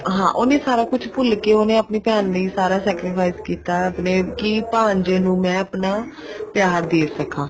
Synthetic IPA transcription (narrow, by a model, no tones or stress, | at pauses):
ɦãːʔoːnẽːsaːɾaːkʊt͡ʃʰpʊlkeːoːnẽːəpniːpjaːnːiːsaːɾaːsɛːkɾɪpʰaːɪskiːt̪aːəpneːkipãːɲd͡ʒẽːnũːmɛ̃ːəpnaː | pjaːɾd̪eːsəkãː